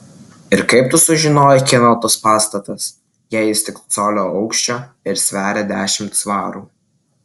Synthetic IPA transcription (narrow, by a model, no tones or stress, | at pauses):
ɪɾkɐɪp̚t̪ʊsʊʒʲɪnoːjɪkʲɛnot̪oːspɑːst̪ɐt̪ɐs | jæːjɪst̪ʲɪkt̪soːlʲoːɐʊkʃʲt͡ʃʲoː | ɪɾsʲʋʲæːɾʲed̪ʲæːʃʲɪmt̪sʋɑːɾuː